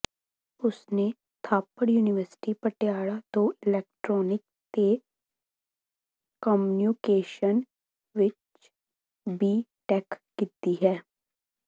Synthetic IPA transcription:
ʊsne | t̪ʰaːpəɽjuːnɪʋəɾsɪ̥ʈipəʈjaːɽad̪oɪlɛːk̚ʈɾɔːnɪk̚ | t̪e | kɔmnjuːkeːʃən | ʋɪt͡ʃ | biːʈɛːkkiːt̪iɦɛː

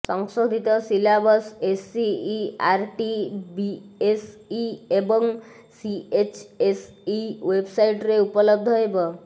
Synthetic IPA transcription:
səŋsod̪ʱit̪ɔsilabəsesiːaɾʈibiesiebɔŋ | siet͡ʃes | iʋebsaiʈɾeupələb̚d̪ʱɦɔebɔ

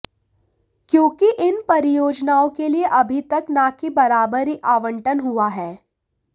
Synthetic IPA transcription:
kjõːkiʔɪnpɐɾɪjoːd͡ʒnaːõkelieʔɐbʱit̪ɐknaːkibɐɾaːbəɾiʔaːʋə̃ɳʈənɦuaɦɛː

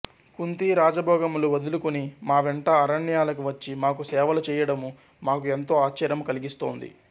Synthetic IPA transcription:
kunt̪iɾaːd͡ʒɐbʱɔːɡɐmuluʋɐd̪ulukunimaːʋeɳʈɐːɾɐɳːijaːlɐk̬uʋɐt͡ʃːimaːkusɛːʋɐlut͡ʃɛːjɐɽɐmu | maːkue̞nt̪o̞ːaːt͡ʃɐɾjɐmukɐliɡist̪o̞̰ːnd̪ḭ

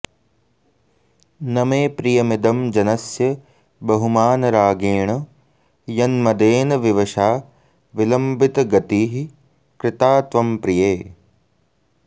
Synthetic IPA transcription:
nɐmeːpɾijɐmid̪ɐmd͡ʒɐnɐsjɐ | bɐɦumaːnɐɾaːɡeːɳɐ | jɐnmɐd̪eːnɐʋiʋɐʃaː | ʋilɐmbit̪ɐɡɐt̪iːɦi | kɾɪt̪aːt̪ʋɐmpɾijeː

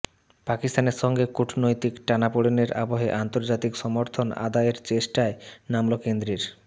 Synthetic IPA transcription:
pakist̪aneɾʃɔŋɡekuʈʰnojt̪ikʈanapoɽeneɾaboɦeʔant̪oɾd͡ʑat̪ikʃɔmoɾt̪ʰona̰d̪aeɾt͡ɕeʃʈaenamlokend̪ɾiɾ

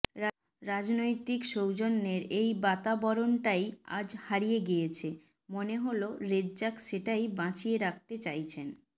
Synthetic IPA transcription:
ɾad͡ʑnojt̪ikʃowd͡ʑonːeɾejbat̪abɔɾonʈaja̰d͡ʑhaɾijeɡijet͡ɕʰe | moneɦoloɾedd͡ʑakʃeʈajbãt͡ɕieɾak̚ʰt̪et͡ɕajt͡ɕʰen

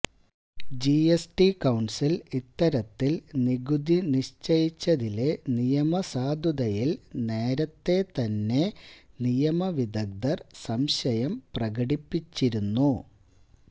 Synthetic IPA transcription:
d͡ʑiesʈikɐwɳsilit̪ːɐɾɐt̪ːilniɡud̪iniɕt͡ɕɐjit͡ɕːɐðile̞nijɐmɐsaːd̪ʱud̪ɐjilne̞ːɾɐt̪ːe̞t̪ɐnːe̞nijɐmɐʋid̪ɐɡ̚d̪ɐrsɐmɕɐjɐmprɐɣɐɽipːit͡ɕːiɾunːu

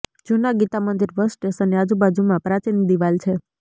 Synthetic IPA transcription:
d͡ʒunaɡit̪amənd̪iɾʋəsʈesənead͡ʒubad͡ʒumãpɾat͡ʃinid̪iʋalt͡ʃʰe

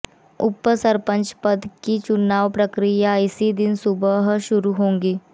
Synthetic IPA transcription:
ʊpːəsəɾpə̃ɲt͡ʃpəd̪kit͡ʃʊnaːʋpɾəkɾijaɪsid̪ɪnsʊbəɦʃʊɾuɦõːŋɡiː

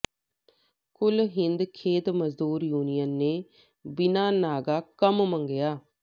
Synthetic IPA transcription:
kʊlɦɪnd̪kʰeːt̪məzd̪uːɾjuːnijənːeː | bɪnaːnaːɡaːkəmməŋɡɪjaː

